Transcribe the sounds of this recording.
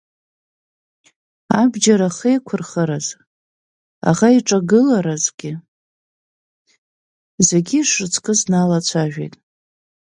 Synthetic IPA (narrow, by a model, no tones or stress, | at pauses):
abd͡ʒaɾaχiekʷʰʊrχəɾaz | a̰ʁaiʈ͡ʂʼaɡɨlaɾazɡʲɪ | ze̞ɡʲiʂɨt͡sʰkʼɨznalat͡ɕʷʰaʒᶣḛjtʼ